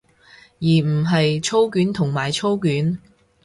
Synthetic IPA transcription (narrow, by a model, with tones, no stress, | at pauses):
jiː˨˩m̩˨˩ɦɐ˨jt͡ʃʰo˥wkyː˨˥nt̪ʰʊ˨˩ŋmaː˨˩jt͡ʃʰo˥wkyː˨˥n